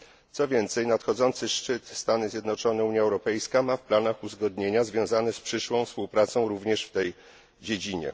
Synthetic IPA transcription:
t̪sɔvʲjɛnt̪sɛjnat̪xɔd̪zɔnt̪sɘʂt͡ʂɘt̪st̪anɘzʲjɛd̪nɔt͡ʂɔnɛuɲjaɛwɾɔpɛjskamafplanaxuzɡɔd̪ɲeɲazvʲjɔ̃w̃zanɛspʂɘʂwɔ̃w̃fspuwpɾat̪sɔ̃w̃ɾuvɲɛʂft̪ɛj | d͡ʑed͡ʑiɲɛ̰

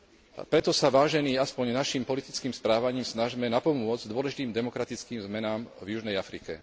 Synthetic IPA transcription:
pɾɛt̪ɔsaʋaːʒɛniːaspɔɲnaʃimpɔlit̪it͡skiːmspɾaːʋaɲiːmsnaʒmɛnapɔmʊɔd͡zd̪ʊɔlɛʒit̪iːmd̪ɛmɔkɾat̪it͡skiːmzmɛnaːmvjuʒnɛjafɾikɛ

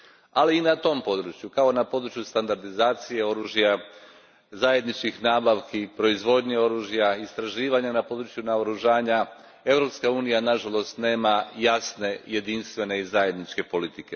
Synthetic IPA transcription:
aliːnat̪o̞mpo̞d̪ɾut͡ʃjukao̞napo̞d̪ɾut͡ʃjust̪and̪aɾd̪izaːt̪sije̞o̞ɾuːʒija | zaje̞d̪nit͡ʃkixnaːbaʋkipɾo̞izʋo̞d̪ɲeo̞ɾuːʒijaist̪ɾaʒiːʋaɲanapo̞d̪ɾut͡ʃjunaoɾuʒaːɲa | e̞ʋɾo̞pskauːnijanaʒalˠo̞st̪ne̞ːmajasne̞je̞d̪inst̪ʋe̞ne̞izaje̞d̪nit͡ʃke̞po̞lit̪ike̞

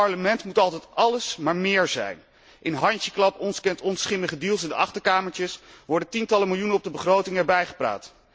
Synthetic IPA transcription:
ɑɹləmɛntmutɑlˠtɛtɑləsmaːɹmɪːɹzɛ̰jn | ʔɪnɦɑncəklɑpɔnskɛntɔnsχɪməχədilˠsɪndəʔɑχtəɹkaːməɹtəsʋɔɹdəntintɑləmɪlˠjunənɔb̚dəbəχrowtɪŋɛːɹbɛjχə̥pra̰ːt

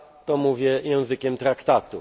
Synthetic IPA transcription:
t̪ɔmuvʲjɛjɛ̃w̃zɘkʲɛmt̪ɾakt̪at̪u

